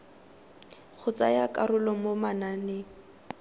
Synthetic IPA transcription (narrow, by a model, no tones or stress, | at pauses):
k͡xʰʊt͡sa̰jakʼarʊlɔmomananeː